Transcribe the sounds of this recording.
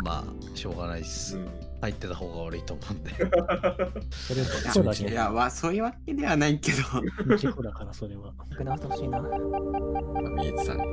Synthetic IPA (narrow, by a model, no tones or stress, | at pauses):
ma̰ː | ɕo̞ːɡanaisɯ̃ | hait̪ːe̞t̪aho̞ːɡaβaɾɯ̟it̪oːmoɯ̃nd̪e | soɾeaad̪ajamaso̞ːjɯ̟βake̞d̪e̞βanaike̞d̪okod̪akaɾasoɾeβa | kɯnat̪oɕiːna | namiai̥sã̰ŋ